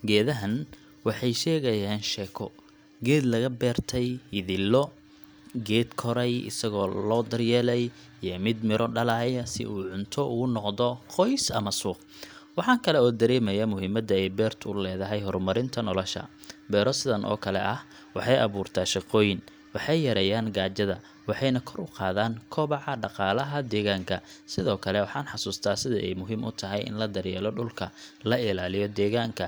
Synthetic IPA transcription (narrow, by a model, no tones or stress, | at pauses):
ɡɛːðɐɦɐn | wɑħɑjʃɛːɣɐjaːnʃɛːkʰɔ | ɡɛːd̪lɐɣɐbɛːrt̪ʰɛjhɪðɪlːɔ | ɡɛːd̪kʰɔɾɛjɪ̰sɐɣɔːlɔːd̪ɐrjɛːlɛj | jɔmɪd̪mɪɾʔɔɖɐlɑʕjɐsɪ̰ʔuːʕʊnt̪ʰɔʔʊɣʊnɔqðɔqɔjsɐmɐsuːq | wɑħɑːkʰɐlɛɔːd̪ɐɾɛːmɐjɐmʊɦiːmɐd̪ɐɛjbɛːrt̪ʰʊlɛːðɐɦɛjɦɔrmɐɾɪnt̪ʰɐnɔlɔʃɐ̰ | bɛːɾɔsɪðɐnʔɔ̰ːkʰɐlɛʔɐh | wɑħɑjʔɑ̰βuːrt̪ʰaːʃɑqɔːjɪn | wɑħɑjjɐɾɛjaːŋɡaːt͡ʃɐðɐ | wɑħɑjnɐkʰɔɾʊqɑːðaːŋkʰɔːβɑʕɑɖɑqɑːlɐɦɐd̪ɛːɣaːŋkʰɐsɪðɔːkʰɐlɛwɑħɑːnħɑsuːst̪ʰaːsɪðɐʔɛ̰jmʊɦiːmʔʊ̰t̪ʰɐɦɛjʔɪ̰nlɐd̪ɐrjɛːlɔɖʊlkʰɐlɐɪlaːlɪjɔd̪ɛːɣaːŋkʰɐ